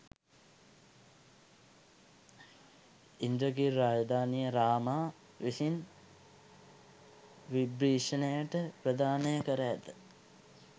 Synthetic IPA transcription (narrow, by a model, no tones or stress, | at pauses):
ind̪ɾəɡiːaːd͡ʒd̪aːnijəɾaːmaː | ʋisin | ʋibɾiːʂənəjəʈəprəd̪aːnəjəkəɾəæt̪ə